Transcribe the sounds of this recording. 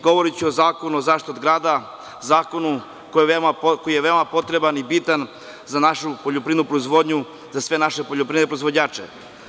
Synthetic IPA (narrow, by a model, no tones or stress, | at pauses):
ɡo̞ʋo̞ɾit͡ɕuozaːko̞nuzaːʃt̪ot̪ɡɾaːd̪a | zaːko̞nu | kojeʋeomakojijeʋeomapo̞t̪ɾe̞banibit̪an | zanaʃupoʎopɾiːnupɾoizʋo̞d̪ɲu | zasʋe̞naʃepo̞ʎopɾiːnepɾoizʋo̞ɲaːt͡ʃḛ